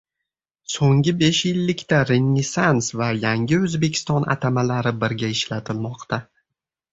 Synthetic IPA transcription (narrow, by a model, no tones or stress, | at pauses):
soŋɡʲɪbe̞ʃjɪlːɪkʲt̪aɾe̞nʲːɪsansvajaŋʲɪɵzbe̞kʲʰɪ̥st̪ɒnʔa̰t̪ʰamalaɾɪbɪɾɡʲaɪʃlat̪ʰɪlmɒqt̪ʰa